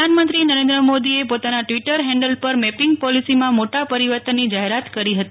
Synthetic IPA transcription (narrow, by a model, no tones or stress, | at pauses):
anmə̃nt̪ɾinəɾẽnd̪ɾəmod̪iepot̪anaʈʋiʈəɾɦɛ̃ɳɖəlpəɾmɛpɪŋɡ̚pɔlisimãmoʈapəɾiʋəɾt̪ənːid͡ʒaɦeɾat̪kəɾiɦət̪i